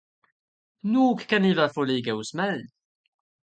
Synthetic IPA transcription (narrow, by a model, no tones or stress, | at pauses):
nukkːænivəfulijɡæwsmæl